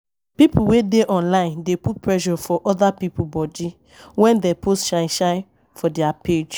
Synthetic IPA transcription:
pipʰuwedeʔɔ̃nlãɪ̃ndeput̚pɹɛʒɔfɔʔɔdapipubɔdi | wɛ̃ndɛpostʃãɪ̃ʃãɪ̃ | fɔdɛapʰed͡ʒ

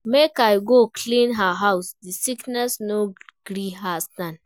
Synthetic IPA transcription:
mekajɡokʰlĩnɦaɦawsdisiknɛsnoɡ̥ɾiɦastãn

